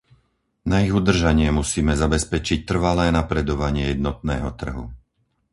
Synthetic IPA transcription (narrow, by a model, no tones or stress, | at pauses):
naiɣud̪r̩ʒaɲɪɛmusiːmɛzabɛspɛt͡ʃic̚t̪r̩ʋalɛːnapɾɛd̪ɔʋaɲɪɛjɛd̪nɔt̪̚nɛːɦɔt̪r̩ɦṵ